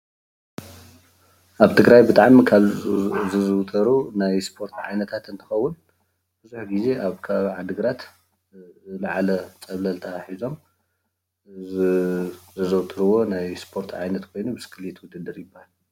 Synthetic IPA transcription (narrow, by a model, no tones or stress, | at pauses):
ʔaβt̪ʰɨɡɾajbɨt̪ʼaʕmkʰalzɨzɨwt̪ʼɐɾunajspʰo̞ɾt̪ʰʕajnɐt̪ʰat̪ɨnt̪ʰɨ̥xɐwːʊn | b̥ɨzuħɡize̞ʔaβkʰɐβaβiʕad̪ɨɡɾat̪ | laʕalɐt͡sʼɐβlɐlt̪ʰaaħizo̞m | zɐzɐwt̪ʰʼɨɾɨwo̞najspʰo̞ɾt̪ʰʕa̰jnɐt̪kʰo̞jnubɨskʰɨljet̪wʊd̪ɨd̪ɨɾjɪbːahal